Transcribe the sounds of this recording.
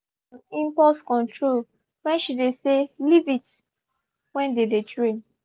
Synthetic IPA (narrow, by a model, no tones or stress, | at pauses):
ĩmpɔtkɔ̃ntʰɹol | wɛ̃nʃideselivit | wɛ̃ndedetɹẽn